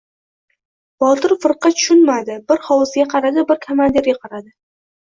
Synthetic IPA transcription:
b̥ɒt̪ʰɪɾfɨɾqɑt̪ʰʊ̥ʃʊnmad̪ɪbɪɾhɒwɨzɡʲaqʰɑɾad̪ɪbɪɾkʰomand̪eɾɡʲaqʰɑɾad̪ɪ

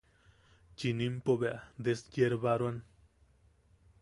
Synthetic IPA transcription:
t͡ʃinimpobeʔad̪eskjeɾbaɾwan

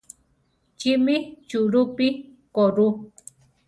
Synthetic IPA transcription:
t͡ʃimit͡ʃuɾupikoɾu

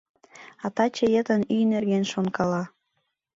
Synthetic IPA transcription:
ɑt̪ɑt͡ɕəjət̪ənynerɣenʃonkɑlɑ

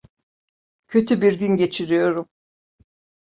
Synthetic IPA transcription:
cʰø̞t̪ʰybiɾɟynɟe̞t͡ʃʰiɾijo̞ɾum

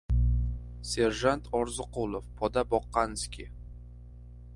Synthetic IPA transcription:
seɾʒant̪ʰɒɾzɨqulˠofpʰɒd̪abɒqːɑnɪskʲe

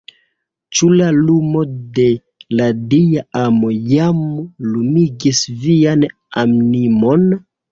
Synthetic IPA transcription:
t͡ʃulalumo̞de̞ | ladijaamo̞jamlumiɡisvian | amnimo̞n

